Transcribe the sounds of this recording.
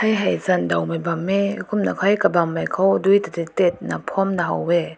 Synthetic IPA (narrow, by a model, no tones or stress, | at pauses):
ajɦajzandawmabamːekʰumnakʰɔjkabamːajkʰɔwdujtatitet̚napʰɔmnaɦa̰wɛ